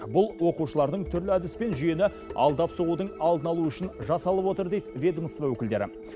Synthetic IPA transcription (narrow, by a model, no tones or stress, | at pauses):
bʊlˠwo̞quʃəlˠɑɾd̪əɴt̪ʰʏɾlɪæd̪ɪspe̞nʒʏje̞nɪ | ɑ̰lˠd̪ɑpsoʁud̪əɴɑlˠd̪ənɑlˠuʏʃɪnʒɑsɑlˠəpwo̞t̪əɾd̪e̞jt̪vʲe̞d̪əməst̪vɑwɵkʲɪld̪e̞ɾɪ̰